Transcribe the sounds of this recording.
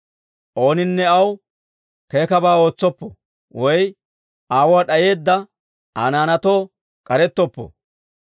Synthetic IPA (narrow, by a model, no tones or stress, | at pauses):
ʔo̞ːnɪnːɛɐw | ke̞ːkɐbaːo̞ːt͡sːɔpːɔ | wɔj | ʔaːwaːɗɐje̞ːd̪ːɐ | a̰ːnaːnɐt̪o̞ː | kʼɐɾɛt̪ːɔpːɔ̰